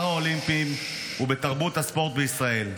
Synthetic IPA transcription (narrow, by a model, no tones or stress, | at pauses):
aolimpim | ube̞t̪aʁbut̪haspo̞ʁt̪̚beisʁae̞l